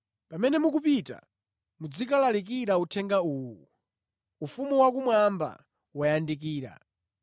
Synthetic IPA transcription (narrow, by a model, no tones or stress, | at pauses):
pamɛnɛmukupita̰ | mud͡zikalalik̬iɾautʰɛŋɡauːwu | ufumuwak̬umwamba̰ | wajandik̬iːɾa̰